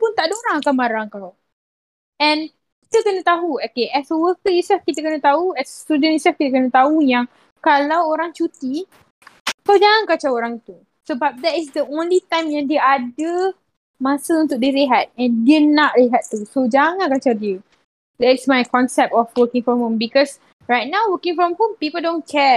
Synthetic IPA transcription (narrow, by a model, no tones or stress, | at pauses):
punt̪aʔdəoɾaŋakamaɾaŋkaw | ɛ̃n | ki̥t̪əkənət̪aɦuakeʔɛswəkəisafkit̪əkənə̃t̪auɛsst̪udə̃nisafkit̪ək̬ənə̃t̪aujaŋ | kalawoɾaŋt͡ʃut̪i | kawd͡ʒaŋankat͡ʃaoɾaŋit̪u | səbap̚d̪ɛtisd̪əʔõnlit̪ãjmjãŋdiəadə | mãsəũnt̪ʊk̚diɾeɦat̪̚ɛ̃ndiənaʔɹeɦat̪ːusod͡ʒaŋãnkat͡ʃadiə | d̪ɛtsmajkɔ̃nsɛp̚t̪ɔfwəkĩŋfɔ̃mhũmbikɔs | ɹajt̪̚nãwwəkĩŋfɹɔ̃mhũmpipəldõnkʰɛ